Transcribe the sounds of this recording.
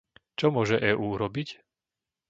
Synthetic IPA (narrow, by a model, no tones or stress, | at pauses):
t͡ʃɔmʊɔʒɛʔɛːʔuːɾɔbic